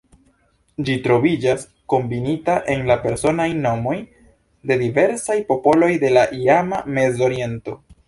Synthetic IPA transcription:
d͡ʒitɾo̞vid͡ʒas | ko̞mbinitaʔe̞nlape̞ɾso̞najno̞mo̞j | de̞dive̞ɾsajpo̞po̞lo̞jde̞laʔiamame̞zo̞ɾie̞nto̞

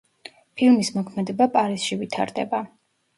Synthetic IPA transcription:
pʰilˠmismɔkʰmɛd̪ɛbapʼaɾisʃivit̪ʰa̰ɾd̪ɛ̰ba

